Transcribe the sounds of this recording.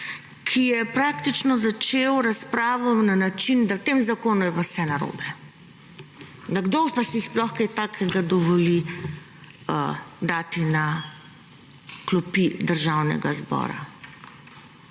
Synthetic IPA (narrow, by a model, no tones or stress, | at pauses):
kʰijɛpɾaːk̚t̪it͡ʃnɔzat͡ʃewɾaspɾaːʋɔnanat͡ʃind̪awt̪eːmzakoːnɔjɛpawsɛnaɾo̰ːbɛ | d̪aɡd̪opasisplɔxkajt̪aːkʰɛɡad̪ɔʋɔli | əd̪aːt̪ina | klɔpid̪əɾʒawnɛ̰ɡazbɔ̰ːɾa̰